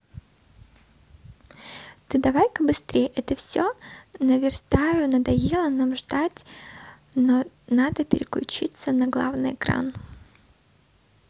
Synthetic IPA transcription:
t̪ɨd̪ɐvajkəbɨst̪ɾʲejʔɛt̪əfsʲonəvʲɪrst̪ajʊnəd̪ɐjelˠənamʐd̪atʲ | no | nad̪əpʲɪ̰ɾʲɪklʲʊ̰t͡ɕit̪sənɐɡlˠa̰vnɨjɪkɾa̰n

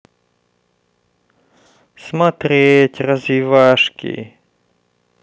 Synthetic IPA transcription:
smat̪ɾʲetʲrɐzvʲɪvaʂkʲɪ̰

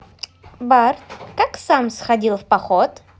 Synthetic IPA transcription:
bart̪kaksamsxɐdʲilˠfpɐxɔt̪

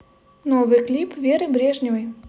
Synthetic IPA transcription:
novɨjklʲipvʲeɾɨbɾʲeʐnʲɪvəj

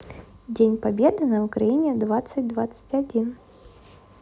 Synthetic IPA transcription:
dʲenʲpɐbʲed̪ɨnɐʊkɾɐinʲed̪vat̪sɨtʲd̪vat̪sɨ̥tʲɐdʲin

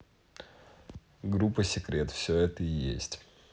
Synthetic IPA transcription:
ɡɾupəsʲɪkɾʲet̪fsʲɵɛt̪əɪjḛsʲtʲ

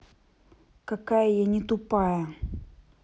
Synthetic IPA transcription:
kakajəjanʲɪt̪ʊpajə

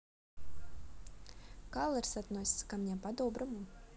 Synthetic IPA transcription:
kalˠɛɾsat̪nɔjsʲkamʲɲʲapad̪ɔːbɾumu

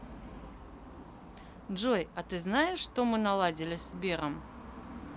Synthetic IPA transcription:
ʐojat̪ɨznajɪʂːt̪o̞mɨnalˠadʲɪlʲɪsbʲe̞ɾəm

